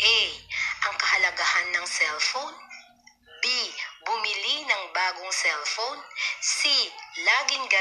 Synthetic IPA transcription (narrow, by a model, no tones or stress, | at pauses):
ʔɛʔɐŋkɐhɐlɐɡahanːɐŋsɛlfown | bibʊmilinɐŋbaːɡoŋsɛlfownsilaːɡɪŋɡɐ